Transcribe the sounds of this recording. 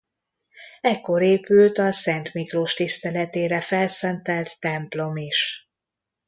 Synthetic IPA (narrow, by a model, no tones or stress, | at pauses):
ɛkːo̞ɾeːpylt̪ɒsɛnt̪mikroːʃt̪ist̪ɛlɛt̪eːɾɛfɛlsɛnt̪ɛlt̪ːɛmplo̞miʃ